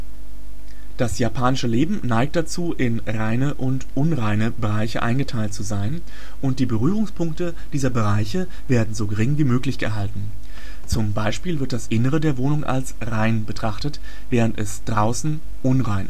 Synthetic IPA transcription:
d̥asjapʰaːnɪʃəleːbm̩naɪk̚t̚d̥at͡suːʔɪn | ʁaɪnəʔʊntʔʊnʁaɪnəbəʁaɪçəʔa̰ɪnɡətʰaɪltt͡suzaɪn | ʔʊnt̚d̥iːbəʁyːʁ̞ʊŋspʰʊŋktə | d̥iːzɐbəʁaɪçə | veːɐdn̩zoːɡəʁ̞ɪŋviːmøːklɪçɡ̥ə̰ɦaltn̩ | t͡sʊmbaɪʃpiːlvɪɐt̚d̥asʔɪnəʁ̞ədeːɐvoːnʊŋʔa̰ls | ʁaɪnbətʁ̥aχtət | v̥ɛːʁ̞əntɛ̰sd̥ʁaʊsn̩ | ʔʊnʁaɪnʔ

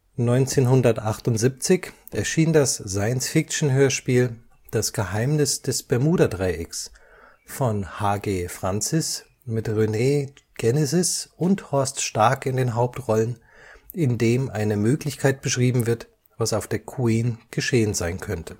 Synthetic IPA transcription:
nɔʏnt͡seːnhʊndɐtʔaχtʊntz̥ip̚t͡sɪç | ʔɛɐʃiːndasz̥aɪənsfɪk̚t͡ʃn̩ɦøːɐʃpiːl | d̥asɡ̥əhaɪmnɪsd̥ɛsb̥ɛɐmuːdadʁaɪʔɪks | fɔnhaːɡeːfʁ̥ant͡sɪs | mɪtʁyneːɡ̥ɛnɛzɪsʔʊnthɔɐstʃtaɐkɪndeːnɦaʊp̚tʁɔlən | ɪndeːmʔaɪnəmøːklɪçkʰaɪt̚b̥əʃʁ̥iːbm̩vɪɐt | v̥asaʊfd̥eːɐkʰwiːnɡ̥əʃeːənzaɪnkʰœntʰə̥

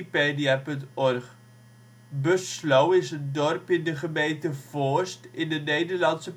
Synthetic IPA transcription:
peːdiɛpɵntɔrχ | bøslowɪsəndɔrpɪndəχəmejntəfɔːstɪndənejdərlɐnsə

